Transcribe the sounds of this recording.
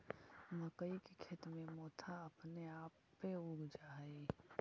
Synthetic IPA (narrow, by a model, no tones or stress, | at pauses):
məkəikekʰet̪mẽmɔːt̪ʰaɐpneaːpːeʊɡd͡ʒaːe